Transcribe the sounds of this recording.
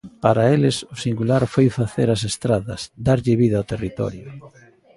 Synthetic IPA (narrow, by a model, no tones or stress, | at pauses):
paɾaelɪsʊsiŋɡulaɾfojfaθeɾɐs̬est̪ɾaðɐsd̪aɾʎɪβiðaawt̪erit̪ɔ̰ɾjʊ